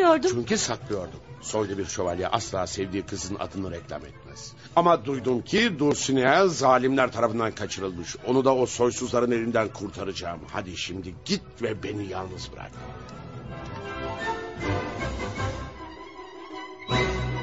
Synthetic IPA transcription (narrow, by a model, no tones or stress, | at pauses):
joɾd̪ut͡ʃʰyɲcisaklˠɯjo̞ɾd̪umso̞jd̪abiɾʃo̞valʲjaʔaslˠaːsɛvd̪iːkʰɯzɯna̰d̪ɯnɯɾɛclʲa̰mɛ̰t̪̚mæ̰z̥ | amad̪ujd̪umcʰid̪uɾsynejæzaːlʲimlʲæɾt̪ʰaɾafɯnd̪ankʰat͡ʃʰɯɾɯlˠmɯʃo̞nud̪ao̞so̞jsuzlˠaɾɯne̞lʲind̪ænkʰuɾt̪ʰaɾɯd͡ʒaːmha̰d̪iʃimd̪iɟit̪̚vɛbe̞nijalˠnɯzbɯɾa̰k̚t̪ʰɯ̰